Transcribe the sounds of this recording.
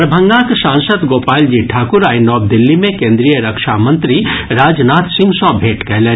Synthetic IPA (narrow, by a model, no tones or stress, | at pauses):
ɾɐbʱə̃ŋɡaksãːnsəd̪ɡoːpaːld͡ʒiʈʰaːkʊɾaːinɔːb̚d̪ɪlːimẽkẽːnd̪ɾijəɾəkʃaːmɐ̃nt̪ɾiɾaːd͡ʒnaːt̪sĩmsɔ̃ːbʱeːʈkɛɦleː